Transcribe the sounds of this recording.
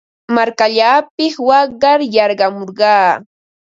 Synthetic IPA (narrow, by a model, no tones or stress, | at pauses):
maɾkaʎaːpɪswɑɢɑɾjɑɾɢɑmoɾɢɑː